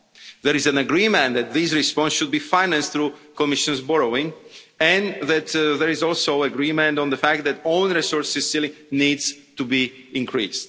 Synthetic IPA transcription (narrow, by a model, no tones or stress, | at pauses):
ðɛɾizæ̃naɡɾimɛ̃nðɛt̪̚ðisɹispɔ̃nsʃud̪̚bifajnæ̃nst̪θɾukɔmɪʃɔ̃nzbɔɹowɪ̃ŋ | ɛ̃nðæt̪ðɛɹizɔlˠsoaɡɾimɛ̃ntɔ̃nðəfæk̚t̪̚ðætõnɹisɔɹsɪsɪli | nidz̥ | t̪ubi | ĩŋkʰɹḭst